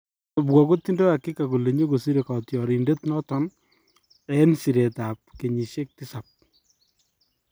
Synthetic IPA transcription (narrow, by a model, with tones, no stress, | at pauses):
bwɔ˨ko˦t̪ːi˦ndo˦a˨kːɪ˦kːa˨ko˨le˨ɲe˦ko˨si˦ɾe˨ka˨tjɔ˨ɾi˨nde˦t̪nɔ˦tɔ˦n | ɛ˦nsi˨ɾe˨ta˨p̚ke˨ɲi˨ʃe˦k̚tɪ˦sa˨p̚